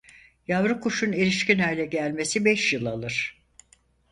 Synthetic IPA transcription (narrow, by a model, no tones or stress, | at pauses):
javɾɯkʰuʃuneɾiʃcinajlʲɛɟælʲme̞sibɛʃjɯlˠalˠɯɾ̥